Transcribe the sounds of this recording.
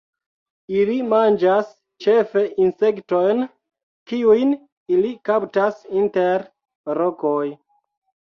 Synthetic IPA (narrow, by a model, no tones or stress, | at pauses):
ilimand͡ʒas | t͡ʃe̞fe̞ʔinse̞kto̞jn | kiujn | ilikaptasinteɾ | ɾokoj